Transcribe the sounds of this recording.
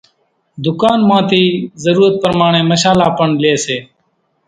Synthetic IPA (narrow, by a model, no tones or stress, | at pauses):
d̪ʊkaːnmãːt̪iːzəɾuːɾət̪̚pəɾmaːɳ̃ẽːməʃaːlaːpəɳleːseː